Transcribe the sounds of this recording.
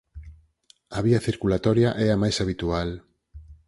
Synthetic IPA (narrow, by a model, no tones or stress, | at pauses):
aβiaθiɾkulat̪ɔɾjaʔɛamajsaβit̪ual